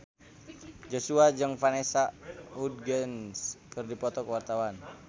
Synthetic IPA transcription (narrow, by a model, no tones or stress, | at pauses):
d͡ʒosuad͡ʒɨŋfanɛsahud̚ɡənskɨrdipɔt̪ɔkəwart̪awan